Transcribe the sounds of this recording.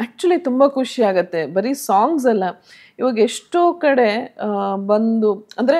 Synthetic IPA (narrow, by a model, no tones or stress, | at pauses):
æk̚t͡ʃuɐlit̪umbɐkʰuʂiaːɡɐt̪ːe̞bɐɾisaːŋɡs̬ɐlːɐ | iʋɐːɡeʂʈoːkɐɽe̞ | bɐnd̪uɐnd̪ɐɾe